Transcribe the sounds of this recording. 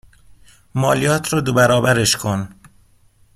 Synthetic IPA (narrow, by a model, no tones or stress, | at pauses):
mɒːlijɒːt̪ʰɾɒːd̪obæɾɒːbæɾeʃkʰon